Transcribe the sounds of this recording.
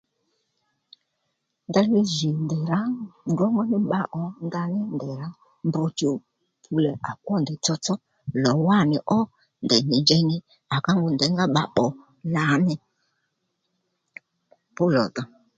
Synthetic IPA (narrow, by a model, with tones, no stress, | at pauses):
nda˧li˦ʒi˨ndɛ˨ɾa˦dɔ˦ŋɡɔ˦nɪ˦ɓa˨ʔɔ˨nda˧nɪ˦ndɛ˨ɾa˦ | mbɔ˧t͡ʃo˨ | pʰu˨lɛ˨ʔa˨kʷɔ˦˨ndɛ˨t͡sɔ˦t͡sɔ˦ | lɔ˨wa˦˨nɪ˨ʔɔ˦ | ndɛ˨ɲi˨nd͡ʒɛ˧nɪ˦ | a˨ka˦ŋɡʊ˨ndɛ˨˦ŋɡa˦ɓa˨ɓɔ˨ | la˨˦nɛ˧ | pʊ˦lɔ̰˨ta˨